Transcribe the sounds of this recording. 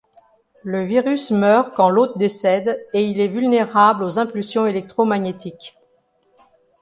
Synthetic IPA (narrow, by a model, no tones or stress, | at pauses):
ləviʁysmœʁkɑ̃lot̪d̪esɛd̪eilɛvylneʁablozɛ̃pylsjɔ̃elɛk̚t̪χomaɲet̪ik